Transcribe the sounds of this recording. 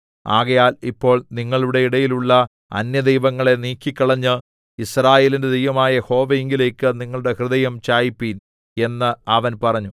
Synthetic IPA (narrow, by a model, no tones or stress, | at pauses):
a̰ːɣɐjaːlipːo̞ːɭniŋːɐɭuɽe̞iɽɐjiluɭːɐ | ɐ̰njɐd̪ejʋɐŋːɐɭe̞niːkʲːikʲːɐɭɐɲːɨ | israːje̞ːlinded̪ejʋɐmaːjɐho̞ːʋɐeŋɡile̞ːkːɨniŋːɐɭɽe̞hrɨðɐjɐmt͡ɕaːjipːiːn | e̞nːɨɐʋɐnpɐrɐɲːu